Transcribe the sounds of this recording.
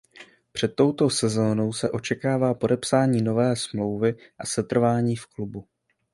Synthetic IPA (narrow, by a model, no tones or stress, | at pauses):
pr̝̥ɛt̪ːo̞wt̪o̞sɛzo̞ːno̞wsɛʔo̞t͡ʃɛkaːvaːpo̞dɛpsaːɲiːno̞vɛːsmlo̞wvɪʔasɛt̪r̩vaːɲiːfklubu